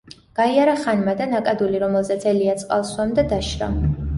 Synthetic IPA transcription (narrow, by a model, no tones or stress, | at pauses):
ɡ̥aiaɾaχanmad̪anakʼad̪uliɾɔmɛlˠzɛt̪sʰʼɛliat̪sʼqʼa̰lˠswamd̪ad̪aʃɾɔ̰